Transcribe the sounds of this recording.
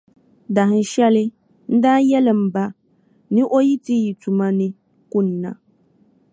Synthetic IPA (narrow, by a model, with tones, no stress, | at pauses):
da˨ɦɪ˨˦ʃɛ˦lɪ˦ | n̩˦daː˦jɛ˦lɪ˨m̩˨ba˦ | nɪ̃˦ʔo˦ji˦ti˦ji˨tu˨mã˨nɪ̃˦ | ku˦nĩ˨nã̰˨